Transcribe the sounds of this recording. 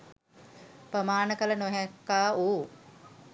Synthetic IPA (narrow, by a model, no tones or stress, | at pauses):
pɾəmaːnəkələnoɦɛkːaːuː